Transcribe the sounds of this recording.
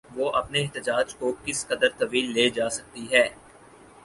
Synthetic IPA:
ʋoːʔɐpneɛɦt̪ɪd͡ʒaːd͡ʒkokɪsqɐd̪əɾt̪ɐʋiːlːeːd͡ʒaːsɐk̚t̪iɦɛː

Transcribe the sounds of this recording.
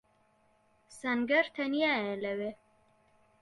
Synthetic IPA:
saŋɡaɾt̪ʰanijaelawe

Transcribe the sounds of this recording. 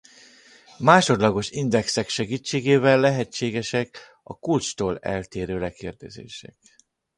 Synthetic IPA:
maːʃo̞d̪lɒɡo̞ʃind̪ɛksɛkʃɛɡiːt͡ʃːeːɡeːvɛlːɛɦɛt͡ʃːeːɡɛʃɛk | ɒ̰kult͡ʃt̪oːlɛ̰lt̪eːɾøːlɛkeːrd̪ɛzḛːʃɛ̰k̚

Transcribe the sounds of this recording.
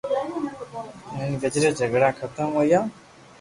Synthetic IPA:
mɪnɡəd͡ʒɾed͡ʒʱəɡɽaːkʰət̪əmɦoːjaː

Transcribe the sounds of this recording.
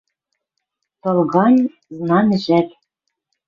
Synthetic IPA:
t̪ɤ̆lˠɣɑnʲ | znɑnɘ̆ʒæt̪

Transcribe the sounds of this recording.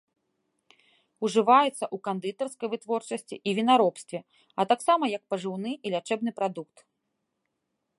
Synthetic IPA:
uʐɨvajɛt̪sːɐʔukand̪ɨt̪ɐrskɐjvɨt̪vɔrt͡ʂɐsʲt͡sʲḭʔivʲinaɾɔpst̪vʲɛ | ɐt̪aksamɐjɐk̚pɐʐɨwnɨilʲat͡ʂɛbnɨpɾad̪ukt̪

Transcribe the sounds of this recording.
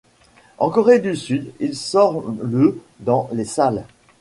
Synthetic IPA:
ɑ̃kɔʁed̪ysyd̪ilsɔʁlə | d̪ɑ̃lesal

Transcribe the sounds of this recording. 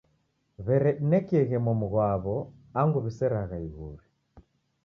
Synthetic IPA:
βɛɾɛɗinɛkɛɣɛmɔmuɣwaβɔ | aŋɡuβisɛɾaɣaiɣuɾi

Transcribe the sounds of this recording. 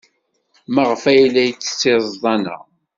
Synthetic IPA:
məʁfæjlːæjət͡sːə̥sːɪɾˤðˤɑnə̰

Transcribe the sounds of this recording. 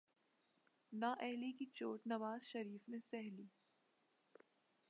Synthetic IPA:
naːʔɛɦlikit͡ʃoːʈnɐʋaːzʃɐɾiːfnesɛɦliː

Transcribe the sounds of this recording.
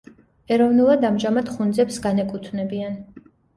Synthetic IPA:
ɛɾɔvnulˠad̪amʒamad̪χund̪zɛpsɡanɛkʼut̪ʰnɛbian

